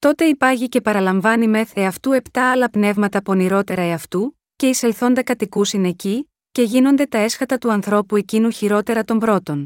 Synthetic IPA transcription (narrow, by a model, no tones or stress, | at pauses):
t̪o̞t̪e̞ipɐʝice̞pɐɾɐlɐɱvɐnime̞θeɐft̪ue̞pt̪ɐɐlɐpne̞vmɐt̪ɐpo̞niɾo̞t̪e̞ɾɐeɐft̪u | ce̞ise̞lθo̞nd̪ɐkɐt̪ikusine̞ci | ce̞ʝino̞nd̪e̞t̪ɐe̞sxɐt̪ɐt̪uɐnθɾo̞pue̞cinuçiɾo̞t̪e̞ɾɐt̪o̞mbɾo̞t̪o̞n